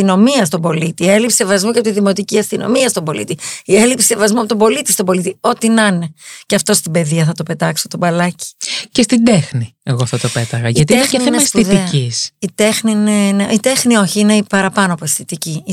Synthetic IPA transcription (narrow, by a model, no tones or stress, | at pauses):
sino̞miɐst̪o̞bo̞lit̪ielipsi̥sevɐzmuceɐpot̪iðimo̞t̪iciɐst̪ino̰miɐst̪obo̞lḭt̪iielipsisevɐzmuɐpot̪o̞bo̞lit̪ist̪obo̞lit̪io̞t̪inɐneceɐft̪o̞st̪ibe̞ðiɐθɐt̪o̞pe̞t̪ɐksot̪obɐlɐci̥cest̪id̪exnieɣoft̪ot̪opet̪ɐɣɐʝiɐt̪iienexeenespuiðieɐcisit̪e̞xniineneit̪e̞xnio̞çiine̞pɐɾɐpɐnoɐposθit̪ici